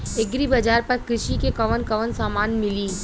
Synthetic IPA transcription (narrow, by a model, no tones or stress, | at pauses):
eɡɾibɐd͡ʒaːɾpɐɾkɾɪʃikekɐʋənkɐʋənsaːmaːnmɪli